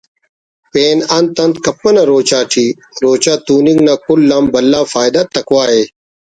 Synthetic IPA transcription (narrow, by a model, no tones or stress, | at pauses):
peːnɐnt̪ɐnt̪kɐpːɐnɐɾoːt͡ɕaːʈʰiː | ɾoːt͡ɕaːt̪uːnĩŋɡnakulːaːmbɐlːaːfaːjd̪at̪ɐkwaːɦeː